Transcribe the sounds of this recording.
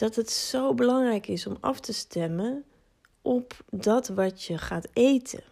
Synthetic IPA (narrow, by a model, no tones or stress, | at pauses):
d̥ɑtɦətsowbəlɑŋrɛjkɪsɔmɑ̰ftəstɛmən | ʔɔpdɑtʋɑtjəχaːtejtʰə̰